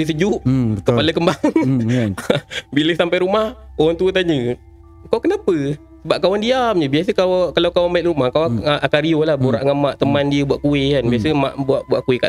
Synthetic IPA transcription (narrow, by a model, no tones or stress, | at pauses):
əs̬əd͡ʒuʔəkəpaləkəmbaŋ | biləsampajɾumahoant̪uət̪̬aɲə | kawkənapə | səbap̚kawandiamd͡ʒəbias̬əkawakalawkawanbaɪt̪̚rumahkawaʔakaɾiolahbuɾaʔŋamaʔt̪əmandiəbuaʔkuɪkanbiasəma̰ʔbuaʔbuaʔkuwɪka̰